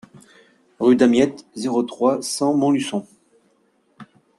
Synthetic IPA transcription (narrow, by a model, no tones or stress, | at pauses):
ʁyd̪amjɛt̪zeʁot̪χwasɑ̃mɔ̃lysɔ̃